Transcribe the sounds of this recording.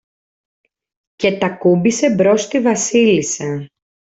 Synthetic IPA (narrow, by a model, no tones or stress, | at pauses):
ce̞t̪ɐkubise̞bɾo̞st̪ivɐsilise